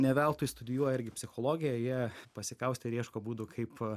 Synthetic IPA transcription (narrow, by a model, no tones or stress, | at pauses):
nʲɛʋʲɛlˠt̪ʊːjɪst̪ʊd̪ʲɪjuɔjɛɪɾʲɡʲɪpʲsʲɪxoːlˠoːɡʲɪjɛjiɛpɐsʲɪkɐʊsʲt̪ʲɪɾʲiɛʃkoːbuːd̪ʊkʰɐɪp